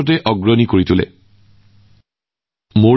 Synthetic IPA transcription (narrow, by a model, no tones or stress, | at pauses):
ɔt̬ɛʔɔɡɹɔnikoɹitulɛ̰ | mo